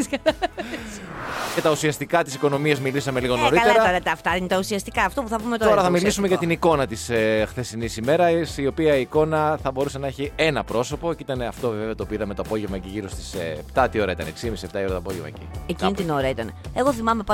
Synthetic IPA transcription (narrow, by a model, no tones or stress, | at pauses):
kɐɐɐ | cet̪ɐusiɐst̪ikɐt̪isiko̞no̞miɐzmilisɐme̞liɣo̞noɾiɐleɾɐɐɾɐt̪ɐɐft̪ɐinet̪ɐusiɐst̪ikɐːft̪opuθɐpumet̪ooɾɐθɐmilisume̞ʝɐt̪iniko̞nɐt̪isxθe̞sinisime̞ɾɐsio̞piɐiːko̞nɐθɐbo̞ɾusenɐe̞çie̞nɐpɾo̞so̞po̞ceit̪ɐneɐft̪oveveɐt̪opiðɐme̞t̪oɐpo̞ʝevmɐciʝiɾo̞st̪i̥spt̪ɐt̪io̞ɾɐit̪ɐneksimisie̞pt̪ɐio̞ɾɐt̪oɐpo̞ʝevmɐ̰ecḭecinit̪ino̞ɾɐit̪ɐneeɣo̞θimɐmepɐ